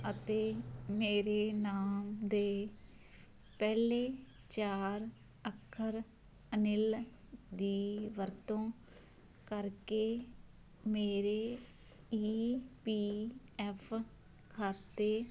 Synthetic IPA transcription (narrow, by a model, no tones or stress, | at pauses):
ət̪eːmeːɾeːnaːmd̪eː | pɛːleː | t͡ʃaːɾ | əkʰːəɾ | ənɪl | d̪iːʋəɾt̪õː | kəɾkeː | meːɾeː | iːpiː | ɛːpʰ | kʰaːt̪eː